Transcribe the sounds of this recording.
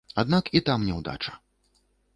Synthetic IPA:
ad̪nakit̪amnʲɛwd̪a̰t͡ʂɐ̥

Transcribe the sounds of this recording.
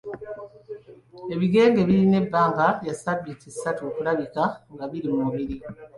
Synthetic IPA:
e̞βiɡe̞ːŋɡe̞βiɾine̞bːaːŋɡajasabːitisːatuokulaβikaŋɡaβiɾimuβiɾi

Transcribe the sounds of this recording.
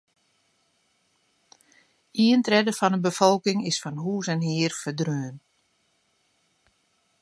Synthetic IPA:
iəntrɛdəfɔnəbəfɔlˠkɪŋɪsfɔnɦuːsɛnɦiərfədrøːən

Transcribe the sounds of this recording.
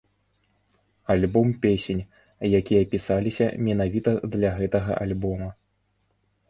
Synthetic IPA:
alʲbɔmpʲesʲenʲ | jakʲijɐpʲisalʲisʲɐ̰mʲɛnavʲit̪ɐd̪lʲɐɣɛt̪ɐɣɐ̰ʔalʲbɔmɐ

